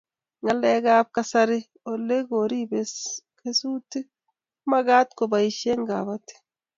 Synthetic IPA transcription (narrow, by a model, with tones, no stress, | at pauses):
ŋa˨lɛ˦ɡa˦p̚kasa˦ɾɪ˦ | o˨lːe˦ɡo˨ɾi˦beke˦suː˦ti˦ | ma˦ɡa˦t̪ko˨ba˨i˨ʃe˦ŋɡa˨βate̥˦